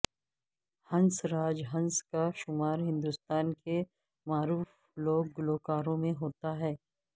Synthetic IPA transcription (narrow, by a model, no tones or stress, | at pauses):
hɐ̃nsɾaːd͡ʒɦɐ̃nskaʃʊmaːɾɦɪ̃nd̪ʊst̪aːnke | maːɾuːf | loːɡːʊloːkaːɾõmẽɦoːt̪aɦɛː